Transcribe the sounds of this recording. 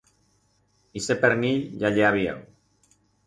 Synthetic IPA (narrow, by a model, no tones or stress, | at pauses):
isepeɾniʎʎaʎeaβiḛw